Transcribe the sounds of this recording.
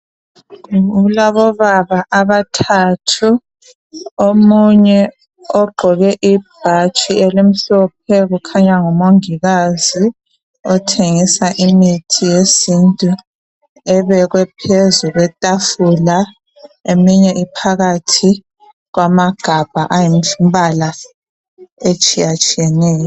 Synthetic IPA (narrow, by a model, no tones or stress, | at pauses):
uulaβɔβaβaʔaβatʰatʰu | omuɲɛ | ɔɡ͡ǃʱɔɣɛʔib̥ʱat͡ʃʼielim̩ɬɔp̚ʰɛɣukʰaɲaŋɔmoŋiɣazi | ɔtʰeŋisaʔimitʰijesintʼu | ɛβɛɣwɛpʰezuɣwɛtʼafula | emiɲɛʔipʰaɣatʰi | ɣwamaɡ̥ʱab̥ʱaʔajim̩umbala | et͡ʃʼijat͡ʃʼijɛnɛːjɔ